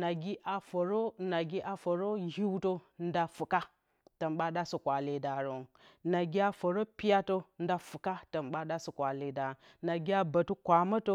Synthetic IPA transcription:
na˨ɡi˦ʔa˨fo˨ɾo˦na˨ɡi˦ʔa˨fo˨ɾo˦ɦi˦wto˦n˦da˦fu˨ka˦ | tə˨mɓa˦ɗa˦si˨kʷa˨li˦da˨ɾo˨ŋ | na˨ɡi˦a˦fo˨ɾo˦pi˦ja˦to˦n˦da˦fu˨ka˦tə˨mɓa˦ɗa˦si˨kʷa˨li˦da˨ | na˨ɡi˦a˦bə˨tu˦kʷa˨ma˦to˦

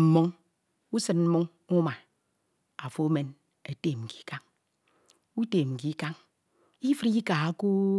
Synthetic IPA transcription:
m̩˨mo˦ŋ | u˦sɨ˦nm̩˦mo˦ŋ | u˦ma˨ | a˨fo˦me˦n | e˨te˦˨m̩˨ki̥˨˦ka˦ŋ | u˦te˨m̩˨ki˨˦ka˦ŋ | i˦fɨ˦ɾi˦ka˨a˦ku˦

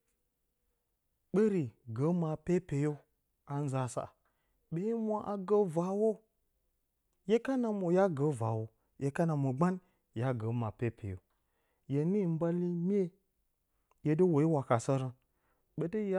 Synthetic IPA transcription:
ɓe˦ɾi˨ɡə˨˦ma˨pe˦pe˨jo˦ | a˨n˦za˨˦sa̰˨ | ɓe˦mʷ˦a˦ʔa˨ɡə˦va˨wo˦ | je˦ka˦na˨mo˨ja˦ɡə˨˦va˨wo˨ | je˨˦ka˦na˨mo˨ɡ͡ba˦n | ja˦ɡə˨˦ma˨pe˦pʰḛ˨jo̰˨ | je˨ni˦˨m̩˦ba˦li˦mʲ˦e˦ | je˦də˦wo˨i˦wa˨ka˨sə˦ɾə˨ | ɓe˨də˦ja˦

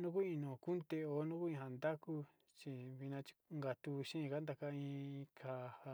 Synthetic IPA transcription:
nũ˦k̬u˦ĩ˧nõ˨ku˦nt̪e˧o˧˦nũ˦ku˦ĩ˧ɦa˧˨nd̪a˦ku˦ | t͡ʃi˧βi˧nã˧t͡ʃi̥˧ŋɡa˧t̪u˧ʃĩ˦˧ka˦nd̪a˧ka˧ĩ˧kʰa˧˨ha˧

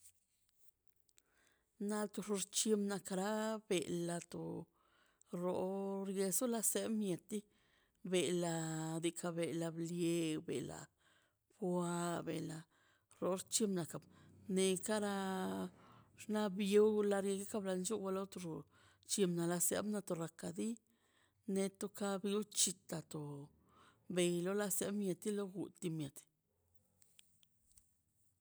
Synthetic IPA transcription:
na˧lt̪u˧ʐu˧ɾt͡ʃi˧mna˨ka˧ɾa˦be˨ʔla˧t̪o˨ | ɾo˨ɾje˧su˦la˧se˦bmje˨t̪i˦ | be˨la˧d̪i˧kʰa˧be˨la˧blje˧bḛ˨la̰˨ | bwa˧bḛ˨la˨ | ɾo˨ɾt͡ʃi˧mna˨ka˨bne˧ka˦ɾa˧ | ʂna˦bje˦wla˧ɾje˧ɡa˦ka˧bla˧nt͡ʃu˦wa˧lo˦t̪o˧ɾo˨ | t͡ʃi˧mna˨la˧sḛ˧˦bna˧t̪o˨ɾa˨ka˨d̪i˦ | ne˧t̪o˧˦ka˦bi˧˦t͡ʃi˧t̪a˨t̪o˨ | be˨jlo˦la˧se˦bmʲje˨t̪i˦lo˦ɡu˨t̪i˧mje˨d̪

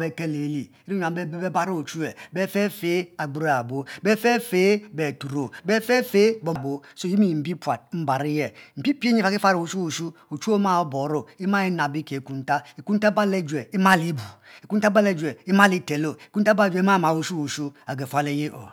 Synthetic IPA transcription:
be˦kɛ˦le˨˦li˨ | i˦ɾi˦ɲ˨a˨m˦be˦be˦be˦ba˦ɾo˦o˨t͡ʃu˦ɛ˨bɛ˦fe˦fe˨˦a˨ɡ͡bu˨˦ɾo˦a˨bo˦be˦fe˦fe˨˦bɛ˨tu˨ɾo˨bɛ˦fe˦fe˦bo˨bo˦so˦˨ji˦mi˦˨m̩˨bi˦pwa˨t̚m̩˦ba˨ɾi˦jɛ˦m̩˨pi˦pe˦ɲi˦fa˨ki˦fa˦ɾo˨t͡ʃu˦o˨ʃu˦ | o˨t͡ʃu˦o˦ma˦o˦bo˨ɾo˦i˦ma˦i˦na˨bi˦ke˨ku˦n˦ta˦e˨ku˦n˦ta˦ba˦le˦˨d͡ʒʷe˨i˦ma˦li˦bu˨i˨ku˦n˦ta˦ba˦le˦d͡ʒʷe˨i˦ma˦li˦te˨lo˦˨i˨ku˦n̩˦ta˦ba˦˨d͡ʒe˦ma˦˨ma˨u˨ʃu˦o˨ʃu˦a˨ɡe˨fa˦le˦je˦ʔo̰˨

